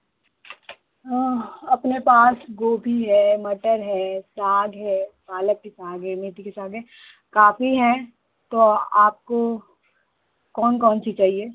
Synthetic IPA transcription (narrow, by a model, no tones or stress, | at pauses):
ɐpnepaːsɡoːbʱiɦɛːmɐʈəɾɦɛːsaːɡɦɛːpaːləkːisaːɡɦɛmeːʈ̪ikisaːɡɦɛ | kaːfiɦɛ̃ | t̪oaːp̚ko | kɔːnkɔːnt͡ʃʰit͡ʃaːɦieː